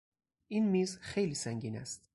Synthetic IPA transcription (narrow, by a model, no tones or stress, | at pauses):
ʔiːnmiːzxejliːsæŋɟiːnæ̰st̪